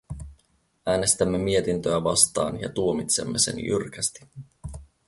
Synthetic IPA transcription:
ʔæːne̞st̪æmːemie̞t̪int̪øæʋɑst̪ɑ̰ːnjɑ̰t̪uomit̪se̞mːe̞sḛnjy̰rk̟æst̪i̥

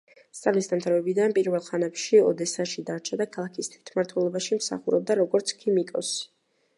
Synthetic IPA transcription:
st̪sʼalisd̪amt̪ʰavɛbid̪anpʼiɾvɛlˠχanɛpʃiɔd̪ɛsaʃid̪aɾt͡ʃʰad̪akʰalˠakʰist̪ʰwit̪ʰmaɾt̪ʰwɛlˠɔbaʃimsa̰χuɾɔb̚d̪aɾɔɡɔɾt̪sʰkʰimikʼɔ̰si̥

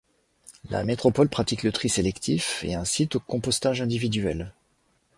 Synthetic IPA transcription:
la̰met̪χɔpɔlpχat̪iklət̪χiselɛkt̪ʰifḛɛ̃sit̪okɔ̃pɔst̪aʒɛ̃d̪ivid̪ɥɛl

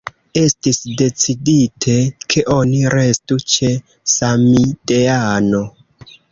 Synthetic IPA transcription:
e̞stisde̞t͡siditʰe̞kʰe̞ʔo̞niɾe̞stut͡ʃe̞ | samideano̞

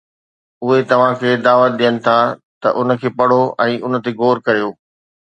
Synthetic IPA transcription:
ʊɦet̪ɐʋ̤ãkʰeːd̪aːʋət̪̚ɗijənɪ̆t̪ʰat̪ɐ̰ʔʊn̆kʰeːpɐɽ̤oɛ̃ːʔʊnə̆t̪eɡoːɾkɐɾijoː

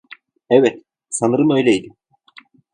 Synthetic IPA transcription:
ɛvɛt̪ | sanɯɾɯnø̞jlʲɛjd̪ɪ

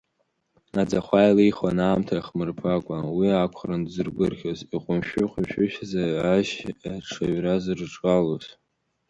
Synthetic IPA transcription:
nad͡zaχʷajlijχanaːmtʰaiχmɨrpʰakʷʼawiakʷʰχrɨndzɨrɡʷɨrχʲoziqʷʼʊmʃᶣʊqʷʼʊʃᶣʊʃᶣazaaʃaʈ͡ʂʰaɥrazɨrʈ͡ʂʼkʼaloz

